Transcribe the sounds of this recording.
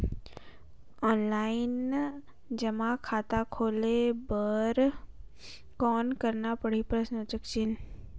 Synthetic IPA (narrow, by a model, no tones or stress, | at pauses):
ɔːnlaːɪn | d͡ʒɐmakʰaːt̪akʰoːlebəɾ | kɔːnkɐɾnapɐɽipɾəʃnət͡ʃəkt͡ʃɪn